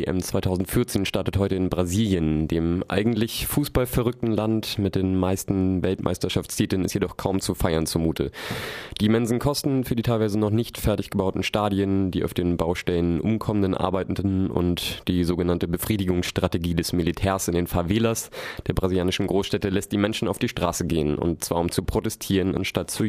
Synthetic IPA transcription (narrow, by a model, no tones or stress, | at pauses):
ḛʔɛ̰mt͡sv̥aɪtʰaʊzn̩tfɪɐt͡seːnʃtaɐtəthɔʏtəɪnbʁaziːljəndeːmʔa̰ɪɡŋ̩tlɪçfuːsb̥alfɛʁʏk̚tn̩lantmɪt̚d̥eːnmaɪstn̩vɛltmʔa̰ɪstɐʃaft͡stʰiːtlənɪstjedɔχkʰaʊmt͡sufaɪɐnt͡sumuːtʰə̰d̥iːmɛnzn̩kʰɔstn̩fyːɐdiːtʰaɪlvaɪzənɔχnɪçtfɛɐtɪçɡ̥əbaʊtn̩ʃtaːdiəndiːʔa̰ʊfd̥eːnbaʊʃtɛlənʔʊmkʰɔməndənʔa̰ɐbaɪtn̩dn̩ʊ̰ntd̥iːzoːɡənantəbəfʁ̥iːdɪɡʊŋsʃtʁ̥ateɡiːdɛsmilitʰɛːɐsɪndeːnfaːveːlasd̥eːɐbʁaziljaːnɪʃn̩ɡʁoːsʃtɛtəlɛst̚d̥iːmɛnʃn̩aʊfd̥iːʃtʁ̥aːsəɡeːənʊ̰nt̚t͡sv̥a̰ːɐʊmt͡supʁ̥otɛstʰiːʁəna̰nʃtat̚t͡su